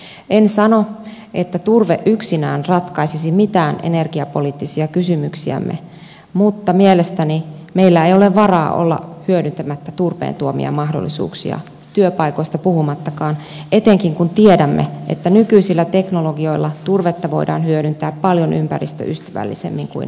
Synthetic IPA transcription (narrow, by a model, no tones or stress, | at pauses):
ensɑno | ʔet̪ːæt̪urʋeʔʔyksinæːnrɑt̪kɑisisimit̪æːnʔḛnerɡ̥iɑpo̞liːt̪ːisiɑkysymyksiæ̰mːʔḛ | mut̪ːɑmielest̪ænimeilːæejoleʋʋɑrɑːʔo̰lːɑ̰hyødynt̪æmæt̪ːæt̪urʋḛːnt̪uomḭɑ̰mɑhdo̰lːḭsṵːksḭɑ̰ | t̪yøpɑikoist̪ɑpuhumɑt̪ːɑkɑːnʔet̪eŋkiŋkunt̪iedæmːḛḛt̪ːænykyisilːæt̪eknoloɡio̞ilːɑt̪urʋet̪ːɑʋo̞̰idɑ̰ːnhyøɾynt̪æːppɑljonʔympærḭst̪ø̰ʔyst̪æʋæ̰lːḭsḛmːiŋkṵḭn